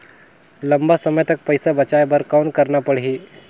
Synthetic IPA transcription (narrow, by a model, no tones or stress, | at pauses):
ləmbasəmjət̪ək̚pəjsabət͡ɕajbəɾkawnkəɾnapəɽɦi